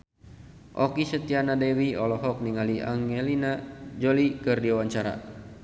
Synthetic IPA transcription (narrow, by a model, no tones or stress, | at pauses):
ʔɔkisət̪ianadɛwiɔlɔɦɔk̚niŋalia̰ŋɛlinad͡ʒolikɨrdiawaɲt͡ʃaɾa̰